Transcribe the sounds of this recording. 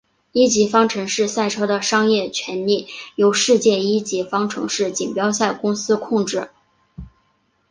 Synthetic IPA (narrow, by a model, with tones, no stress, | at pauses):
i˥t͡ɕi˧˥fɑ˥ŋʈ͡ʂʰɤ˧˥ŋʂɻ̩˥˧sa˥˩ɪʈ͡ʂʰɤ˥d̪ə˨ʂɑ˥ŋjɛ˥˩t͡ɕʰɥɛ˧˥nli˥˩jo˧˥ʊʂɻ̩˥˧t͡ɕjɛ˥˩i˥t͡ɕi˧˥fɑ˥ŋʈ͡ʂʰɤ̰˧˥ŋʂɻ̩˥˩t͡ɕi˨˩ŋpjɑ˥ʊsa˥˩ɪkʊ˥ŋsɹ̩˥kʰʊ˥˧ŋʈ͡ʂɻ̩˥˩